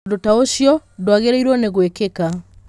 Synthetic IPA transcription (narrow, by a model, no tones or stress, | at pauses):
dotaoɕjɔdwaɣeɾaiɾwɔneɣwekeka